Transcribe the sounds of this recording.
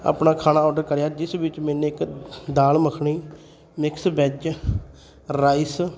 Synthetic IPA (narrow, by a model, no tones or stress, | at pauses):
a̰ːpnaːkʰaːnaːɔːɖəɾkəɾjaːd͡ʒɪsbɪt͡ʃmɛːnẽːɪkd̪aːlməkʰɳiː | mɪksbɛd͡ʒ | ɾaːɪs